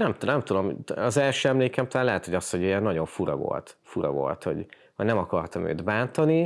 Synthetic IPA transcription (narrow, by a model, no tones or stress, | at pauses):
nɛmt̪nɛmt̪ud̪omɒzɛlʃøːɛmleːkɛmt̪ɒlaːlɛɦɛt̪hoɟɒst̪ho̞ɟijɛnːɒɟo̞ɱfuɾɒ̰vo̞̰lt̪fuɾɒ̰vo̞̰lt̪ho̞̰ɟ | hoɟnɛmɒkɒrt̪ɒmø̰ːd̪baːnt̪ɒni